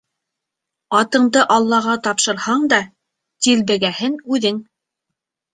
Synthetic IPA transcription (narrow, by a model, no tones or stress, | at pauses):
ɑt̪ɤ̆ɴd̪ɤʔɑlˠːɑʁɑt̪ɑpʃɤ̆ɾhɑɴd̪ɑ | t̪ilbɘ̆ɡæhɘnʉðɘŋ